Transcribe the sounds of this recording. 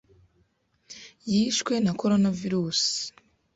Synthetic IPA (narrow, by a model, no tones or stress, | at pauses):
jiːʃkwe̞nako̞ɾo̞naviɾuːsi̥